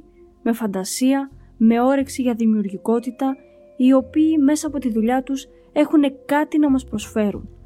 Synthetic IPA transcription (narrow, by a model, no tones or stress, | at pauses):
me̞fɐnd̪ɐsiɐ | me̞o̞ɾeksiʝɐðimiuɾʝiko̞t̪it̪ɐ | io̞piːme̞sɐːpo̞t̪iðuʎɐt̪us | e̞xune̞kɐt̪inɐmɐspɾo̞sfe̞ɾṵn